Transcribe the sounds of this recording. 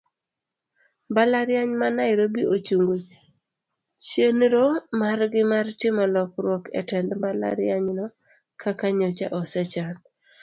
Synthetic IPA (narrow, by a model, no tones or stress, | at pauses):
balaɾjaɲmanaɪɾobiot͡ʃuŋɡwe | t͡ʃenɾomarɡɪmartɪmɔlɔkɾwɔkɛ̰tɛndmbala̰ɾjaɲnɔ | kʰakaɲot͡ʃa̰ʔɔsɛt͡ʃan